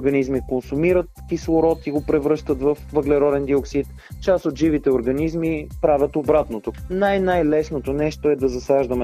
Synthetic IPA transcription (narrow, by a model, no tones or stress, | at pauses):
ɾɡɐnizmikonsumiɾət̪kislˠoɾɔt̪iɡopɾɛvɾɤʃt̪ət̪vəfvəɡlɛɾɔd̪ɛnd̪ioksit̪ | t͡ʃasot̪ʒivit̪ɛʊɾɡɐnizmipɾavʲət̪obɾat̪not̪onajnajlɛsnot̪onɛʃt̪oɛd̪ɐzɐsaʒd̪ɐmɛ